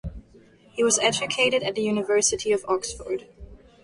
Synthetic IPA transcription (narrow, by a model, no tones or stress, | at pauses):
hiwʌzɛd͡ʒɨkʰeɪɾɨɾɨt̪̚ðɨjʉnɨvɜ˞sɨɾiʌvɔksfə̰˞d̥